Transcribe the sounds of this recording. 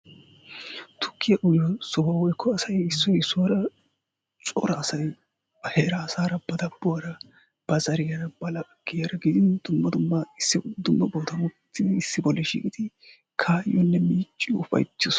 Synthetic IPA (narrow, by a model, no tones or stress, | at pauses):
t̪ʊ̥kːɪjɐʔʊjɔsɔbɐwɔjkʰːɔɐsɐjɪsːɔɪsːʊwɐɾɐ | t͡sʼɔ̰ɾɐːsɐj | heːɾaːsaːɾɐbɐd̪ɐbːʊwɐɾɐ | b̥ɐzɐɾɪjɐɾɐbɐlɐɡ̥ɪjɐɾɐɡɪd̪ɪnd̪̥ʊmːɐd̪ʊmːɐɪsːɪd̪ʊmːɐboːt̪ʰɐmʊt̪ːɪɪsːɪbɔlːɛʃḭːkʼɪd̪̥ɪ | kʰaːjːɔnːɛmiːt͡ʃʼːɪʊfɐ̰jt͡ʃːɪs